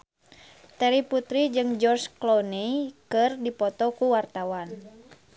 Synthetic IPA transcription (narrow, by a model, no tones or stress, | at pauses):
t̪ɛɾiput̪ɾid͡ʒɨŋd͡ʒɔrsklɔnikɨrdipɔt̪ɔkuwart̪awan